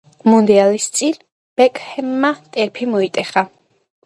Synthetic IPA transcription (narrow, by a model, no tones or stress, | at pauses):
mund̪ɛalist̪sʼin | b̥ɛkʼhɛmːat̪ʼɛɾpʰimɔit̪ʼɛχa